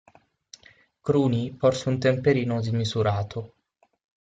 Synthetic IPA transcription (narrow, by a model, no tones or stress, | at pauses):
kɾuːnipɔrsunt̪empeɾiːnʊd̪imizuɾaːt̪ʰo